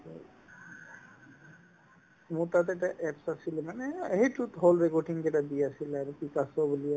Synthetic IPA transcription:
mut̪at̪̬eʈaʔɛpsasʰilemaneeɦitut̪ɦolɾekɔɾʈiŋd͡ʒeʈad̪iasʰilɛɾpikasobulija

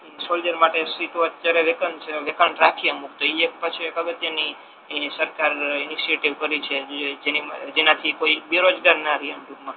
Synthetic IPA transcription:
sold͡ʒəɾmaʈesiʈ̪oət̪ːjaɾeʋekənt͡ʃʰeʋekəɳʈɾakʰijemuk̚t̪oiekpət͡ʃʰikəɡət̪jani | səɾkaɾɪniʃieʈiʋkəɾit͡ʃʰed͡ʒenid͡ʒenat̪ʰikoibeɾod͡ʒɡaɾnaɾiəmɖuɡmã

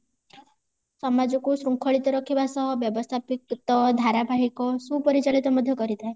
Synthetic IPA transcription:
sɔmad͡ʒɔkusɾuŋkʰɔɭit̪ɔɾɔkʰibasɔɦɔbjɔbɔst̪ʰapikt̪ɔd̪ʱaɾabʱaɦikɔsupɔɾit͡ʃalit̪ɔmɔd̪ʱjɔkɔɾit̪ʰaj

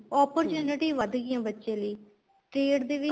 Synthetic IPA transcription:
ɔːpəɾt͡ʃuːnɪʈiːʋəd̪ɡijãːbətːʃẽːləiː | ʈɾeːɽd̪eːʋɪ

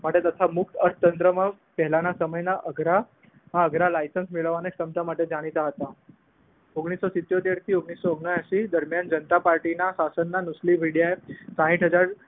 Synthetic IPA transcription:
məʈjet̪ət̪ʰamuk̚t̪əɾt̪ənt̪ɾəma | pɛɦlanasəməjnaʔəɡɾa | ɦãəɡɾalajsənsmiɭəʋaneksəmt̪amaʈːed͡zaɽ̃it̪aɦət̪a | oɡɽ̃isːɔsit̪ːjot̪eɽt̪ʰiːoɡɳisːɔəɡɳaaɕiːd̪əɾmjand͡ʑənət̪apaɾʈinasasənːanusliʋiɽjaesãɦĩʈɦəd͡zaɾ

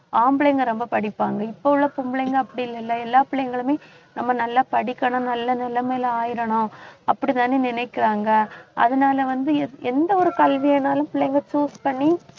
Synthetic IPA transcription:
aːmbɭɐjŋɡɐɾɔmbɐpɐɽɪpːaːŋɡɐɪpːoɭːɐpʊmbɪɭɛŋɡɐɐpːɐɽɪɪlːɛlːɐɛlːaːpɪɭːjɐŋɡɐɭɯmeː | nɐmːɐnɐlːaːpɐɽɪkːɐɳʊ̃nɐlːɐnɐlːɐmeːlɐaːjɪɾɐɳʊ̃ɐpːɐɽit̪aːneːnɪnɛɪkːɪɾaːŋɡɐʔɐ̰ðɐnaːlɐʋɐnd̪ɯɛnd̪ɐɔɾɯkɐlʋɪjɛnaːlɯ̃mpɪɭːɐjŋɡɐt͡ʃuːspɐɳːi

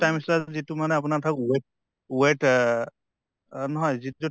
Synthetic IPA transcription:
tajmislazitumanɛap̬unatʰakweʈ̚ | weʈ | nɔɦɔjzittu

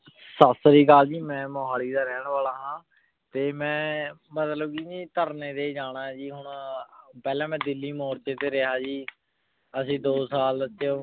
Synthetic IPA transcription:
səsɾiːkaːld͡ʒiːmɛ̃ːmoːɦaːliːd̪aːɾɛːɳʋaːlaːɦãː | t̪eːmɛ̃ːmət̪ləb̚kid͡ʒiːt̪əɾneːd̪eːd͡ʒaːɽaːd͡ʒiːɦʊɳpɛːlɛ̃ːmɛ̃ːd̪ɪlːiːmoːɾt͡ʃeːt̪eːɾeɦaːd͡ʒiː | əsĩːd̪oːsaːlət͡ʃe

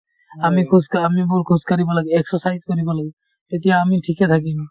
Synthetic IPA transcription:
amikʰuskamibulkʰuskaɾibɔlaɡɛeksɔsajzkoɾibɔlaɡɛ | t̪et̪ijaamiʈʰiket̪ʰak̬ina

